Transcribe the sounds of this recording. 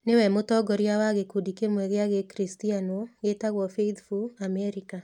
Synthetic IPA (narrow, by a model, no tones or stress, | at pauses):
newɛmotɔɡɔɾjawaɣekudikemwɛɣeaɣekɾistianoɣetaɣwɔfeitfuamɛɾika